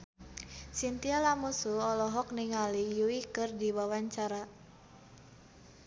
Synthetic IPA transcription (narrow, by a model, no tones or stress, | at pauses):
sint̪ialamusuɔlɔɦɔk̚niŋalijuikɨrdiwawaɲt͡ʃaɾa